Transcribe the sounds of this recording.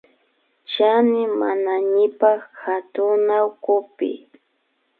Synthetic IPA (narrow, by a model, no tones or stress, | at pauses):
t͡ʃanɪmanaɲɪpaχxat̪ʊnawkʊpɪ̰